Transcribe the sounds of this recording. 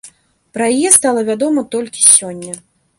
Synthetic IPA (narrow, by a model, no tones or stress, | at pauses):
pɾɐjajɛst̪alˠɐvʲad̪ɔmɐt̪ɔlʲkʲi̥sʲɔnʲːɐ